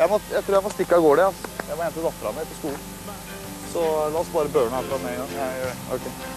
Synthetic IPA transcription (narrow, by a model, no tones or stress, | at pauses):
jæɪmɔjæɪt̪ɾuːjæɪmɔst̪ɪkːɑɡoːɖɛɑsjæɪmɔɛnt̪əd̪ɑt̪ːəɾɑ̰nəət̪ɔskuːln̩ | sɔlɑːɔsbɑːɾəbøːɳəæːɾfɾɑd̪ɛnːɛɡɑŋæɪjøːɖɛʔɔ̰kʰɛɪ